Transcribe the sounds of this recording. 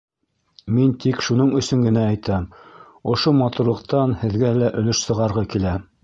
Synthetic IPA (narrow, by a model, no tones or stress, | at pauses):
mint̪ikʃunɤɴɵ̆sɵŋɡɘ̆næːjt̪æm | ŏʃomɑt̪uɾlˠɤ̆q̚t̪ɑnhɘ̆ðɡælæʔɵ̆lɵʃsɤ̆ʁɑɾʁɤkilæ